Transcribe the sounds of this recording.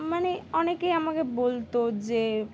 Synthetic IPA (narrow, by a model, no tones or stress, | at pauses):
maneɔnekejamakebolt̪od͡ʑe